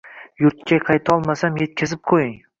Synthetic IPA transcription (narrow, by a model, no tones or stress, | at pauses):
jʊɾt̪kʲʰaqʰɑjt̪ʰɒlˠmasamje̞t̪̚kʲʰɪzɪp̚qʰojɪŋ